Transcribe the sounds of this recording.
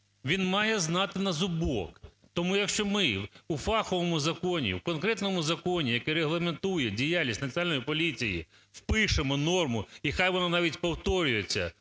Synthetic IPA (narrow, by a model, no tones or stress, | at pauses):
ʋʲinmɑjɛznɑt̪ɪnɐzʊbɔk | t̪ɔmujɐkʃt͡ʃɔmɪufɑxɔʋɔmʊzɐkɔnʲḭwkɔnkɾɛt̪nɔmʊzɐkɔnʲijɐkɛɾeɦlˠɐment̪ujɛdʲijalʲnʲisʲtʲnɐt͡sʲɐnlʲnɔjipɔlʲit͡sʲijḭ | wpɪʃemɔnɔrmʊixajʋɔnanɑʋʲitʲpɔwt̪ɔɾʲʊjet͡sʲːɐ̰